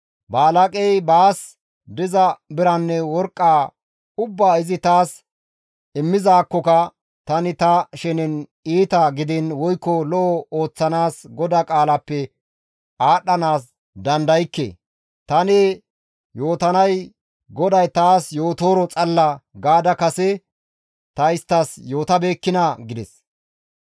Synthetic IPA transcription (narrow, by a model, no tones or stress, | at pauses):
baːlɐkʼɛjbaːs | d̪ɪzɐbɪɾɐnːɛwɔɾkʼːaː | ʊbːaːɪzɪt̪aːs | ɪmːɪzaːkːɔkɐ | t̪ɐnɪt̪ɐʃɛnɪn | iːt̪ɐɡɪd̪ɪnwɔjkːɔlɔʔɔo̞ːt͡sːɐnaːsɡɔd̪akʼaːlɐpːɛ | aːɗɐnaːs | d̪ɐnd̪ɐjɪkːḛː | t̪ɐnɛ | jo̞ːt̪ɐnɐj | ɡɔd̪ɐjt̪aːsjo̞ːt̪oːɾɔt͡sʼɐlːɐɡaːd̪ɐkɐsɛ | t̪ɐɪst̪ːɐsjo̞ːt̪ɐbe̞ːkːɪnɐɡɪd̪ɛs